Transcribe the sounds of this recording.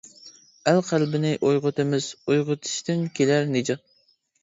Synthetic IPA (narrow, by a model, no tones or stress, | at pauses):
ælqʰælbɪnɪʔojʁʊt̪ɨmɪz̥ojʁʊt̪ʰɪ̥ʃt̪ɪnkʲʰelæɾned͡ʒɑt̪̚